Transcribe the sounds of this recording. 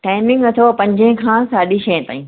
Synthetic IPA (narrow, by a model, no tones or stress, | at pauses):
ʈaːɪmɪ̃ŋɡɐt̪ʰopɐ̃ɲd͡ʑə̃ɦɪ̃kʰãːsaːɗiʃɐːə̃t̪a̰ːĩː